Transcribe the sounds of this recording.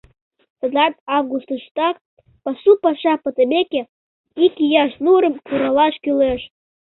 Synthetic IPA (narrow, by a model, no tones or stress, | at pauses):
t̪ə̆d̪ɑt̪ɑvɡust̪əʃt̪ɑk | pɑsupɑʃɑpɤt̪əmekʲe | ikijɑʃnuɾə̆mkuɾɑlɑʃkyleʃ